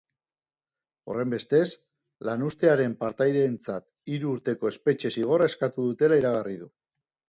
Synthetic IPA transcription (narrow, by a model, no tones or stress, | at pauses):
o̞̰re̞mbe̞st̪e̞s | lanust̪e̞aɾe̞mpaɾt̪ajðeːnt͡sat̪ | iɾuːɾt̪e̞ko̞e̞spe̞t͡ʃe̞siɣ̞o̞rae̞skat̪uðut̪e̞laiɾaɣ̞ariðu